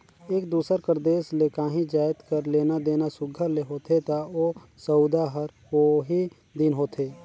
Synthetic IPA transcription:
eːkd̪uːsəɾkəɾd̪eːsleːkãːɦĩd͡ʒaːɪt̪kəɾleːnad̪eːnasʊɡʱəleɦoːt̪ʰet̪aoː | səʊd̪aɦəɾ | oɦi | d̪inɦoːt̪ʰeː

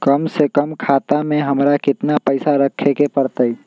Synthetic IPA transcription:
kəmsekəmkʰaːt̪amẽɦɐmɾakɪt̪napəɪsaɾəkʰːekepəɾt̪əi

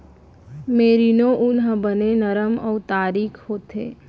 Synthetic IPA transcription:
meːɾinõʔʊnɦə̃bənenəɾəmɔːt̪aːɾiːkʰhoːt̪ḛː

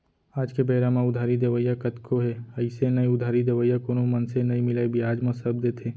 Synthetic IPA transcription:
aːd͡ʒkebɐɪɾamãʊd̪ʱaːɾid̪eʋəjakɐt̪kʰoɦɛɐɪsenɐiʊd̪ʱaːɾid̪eʋəjakoːnomɐnsenɐimɪlaebʱiaːd͡ʒmãsəbd̪eːt̪ʰeː

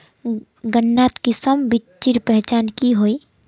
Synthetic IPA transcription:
ɡənːaːt̪kisəmbit͡ʃt͡ʃːiɾpɛɦt͡ʃaːnkiɦoːi

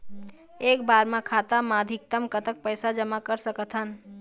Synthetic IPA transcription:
ekbaɾmãkʰat̪amad̪ʱik̚t̪əmkət̪ək̚pəjsad͡ʒəmakəɾsəkət̪ʰɦən

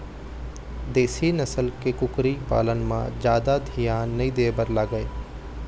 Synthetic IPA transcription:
d̪eːsinɐsəlkekʊkɾipa̰ːlənmã̰d͡ʒjaːd̪ad̪ʱijaːnːɐĩd̪eːbəɾlaːɡəeː

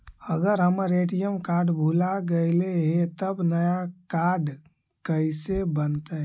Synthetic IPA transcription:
əɡəɾɦəməɾeʈijəmkaɾɖbʱulaɡeɪleɦet̪əbnəjakaɾɖ | kəɪsebənt̪ə

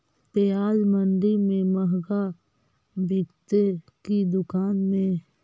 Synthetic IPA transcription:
t̪ejaːlməɳɖimẽməɦɡa | bikt̪e | kid̪ʊkaːnmẽ

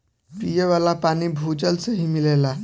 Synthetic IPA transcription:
pijeʋalapañibʱud͡ʑəlsəɦimilela

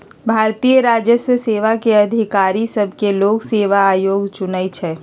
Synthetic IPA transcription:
bʱaːɾt̪iːjəɾaːd͡ʒjəswəseːʋakeɐd̪ʱɪkaːɾisɐbʱkeloːɡseːʋaːjoːɡt͡ʃʊnait͡ʃʰɛː

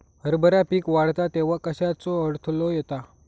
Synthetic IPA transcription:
ɦəɾbəɾapiːkʋaɽ̤t̪at̪eʋ̤akəɕat͡sɔəɽt̪ʰlɔjɛt̪a

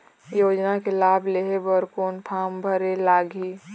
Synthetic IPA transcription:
joːd͡ʒnakelaːbʱleːɦebəɾkoːnpʰaːmbʱəɾelaːɡʱi

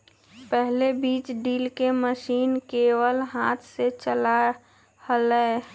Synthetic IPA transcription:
pɛɦlebiːt͡ʃɖiːlkeməʃiːnkeːwəlɦaːt̪ʰset͡ʃəla | hlə

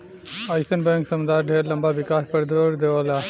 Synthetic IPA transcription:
ajsənbə̃ŋksəmd̪aɾɖʱeɾlɐmbaʋikaspəɾd̪ʱoɾd̪eʋala

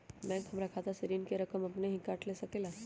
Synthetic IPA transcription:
bɛ̃kɦəmɾakʰat̪aseɾinkeɾəkəmapneɦĩkaʈlesəkelas

